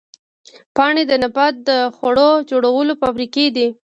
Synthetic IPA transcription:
pɑɳed̪ənabat̪̚d̪əxaɽod͡ʒoɽawəlofabɾiked̪i

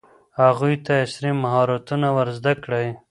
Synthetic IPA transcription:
haɣujt̪aɪsɾimaɦɑɾat̪unawaɾzd̪akɽaj

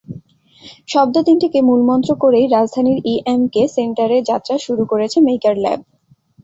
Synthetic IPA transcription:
ʃɔb̚d̪od̪int̪ʰekemulmɔnt̪ɾokoɾejɾad͡ʑd̪ʱaniɾiʔemkeseɳʈaɾeɾd͡ʑat̪ːɾaʃuɾukoɾet͡ɕʰemejkaɾlɛ̰b̚

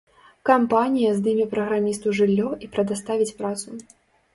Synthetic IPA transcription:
kampanʲijɐzd̪ɨmʲɛpɾɐɣɾamʲist̪uʐɨlʲːɔipɾɐd̪ast̪avʲit͡sʲpɾat̪su

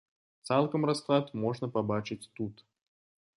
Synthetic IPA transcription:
t̪sɛlˠkəmrɐsklˠat̪moʐnəpɐbat͡ɕɪt̚ʲt̪ut̪

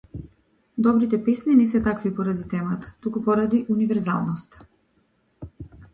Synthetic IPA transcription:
d̪ɔbɾit̪ɛpɛsninɛsɛt̪akvipɔɾad̪it̪ɛmat̪ḁt̪ukupɔɾad̪iʔunivɛɾza̰lˠnɔst̪

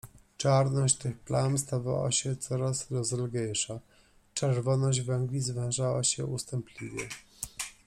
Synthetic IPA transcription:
t͡ʂaɾnɔɕt͡ɕt̪ɘxplanst̪ava̰wa̰ɕɛt̪sɔɾasɾɔzɛlɡɛjʂa | t͡ʂɛɾvɔnɔʑd͡ʑvɛŋɡlʲizvɛʐawaɕɛust̪amplʲivʲjɛ

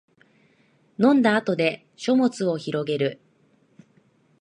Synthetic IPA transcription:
nõ̞nd̪aːt̪o̞d̪e̞ | ɕo̞mo̞t͡sɨo̞çiɾo̞ɡe̞ɾɯ̟

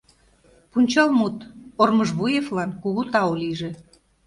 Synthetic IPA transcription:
punʲt͡ɕɑlmut̪ormɤʒβujeflɑnkuɣut̪ɑoliʒĕ

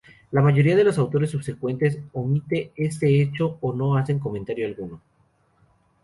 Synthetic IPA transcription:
lamaʝo̞ɾiað̞e̞lo̞sawt̪o̞ɾesːuβse̞kwe̞nt̪esomit̪e̞e̞st̪e̞et͡ʃo̞ːno̞ase̞ŋk̬o̞mẽnt̪aɾjoalɣuno̞

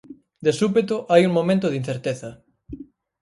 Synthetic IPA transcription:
d̪esupet̪oʔajuŋmomẽnt̪oð̞in̟θeɾt̪eθɐ

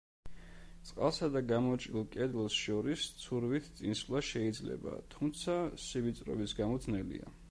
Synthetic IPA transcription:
sʼqʼa̰lˠsad̪aɡamɔt͡ʃʼɾilˠkʼɛd̪lˠsʃɔɾist̪sʰuɾvit̪ʰt̪sʼinslˠaʃɛid̪zlɛ̰ba̰t̪ʰumt̪sʰasibit̪sʼɾɔ̰bisɡamɔd̪znɛlḭa̰

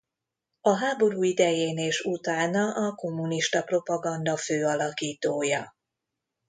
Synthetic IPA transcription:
ɒɦaːbo̞ɾuːid̪ɛjeːneːʃut̪aːnɒʔɒko̞mːuniʃt̪ɒpro̞pɒɡɒnd̪ɒføːɒlɒkiːt̪oːjɒ

